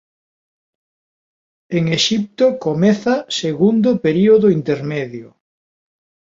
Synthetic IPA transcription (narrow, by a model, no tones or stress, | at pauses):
eŋeʃip̚t̪okomɛθɐseɣund̪ʊpeɾioðʊint̪eɾmeðjo̰